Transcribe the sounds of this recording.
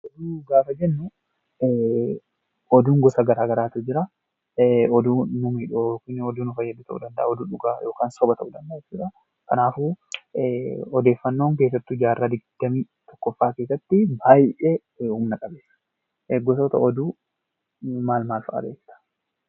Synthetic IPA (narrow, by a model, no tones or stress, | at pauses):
ʔɔd̪uːɡaːfɐd͡ʒɛnːʊ | ɔd̪uːŋɡɔsɐɡɐɾaːɡɐɾaːt̪ud͡ʒɪɾɐ | ɔd̪uːnʊmiːᶑkʊnːɔd̪uːnʊfɐjːɐd̪uːt̪ɐ̰ʔṵd̪ɐnd̪ɐʔaɔd̪uːᶑʊɡaːjo̞ːkaːnsɔbɐt̪ɐʔud̪ɐnd̪ɐːt͡ʃːd͡ʒɪᶑɾɐ | kɐnaːfu | ɔd̪e̞ːfːɐnːo̞ːŋk̬e̞ːs̬ːɐt̪ːud͡ʒaːrːaːd̪ɪɡd̪̥ɐmiː | t̪ɔ̥kːɔfːaːke̞ːsːɐt̪ːɪbaːjʔɛ | huːmnɐkʼɐbeːsːɐ̥ | ɡːɔsoːt̪ɐ̰ɔd̪uː | maːlmaːlfɐ̰ʔɐ̰deːkːɪ̥t̪ɐ̥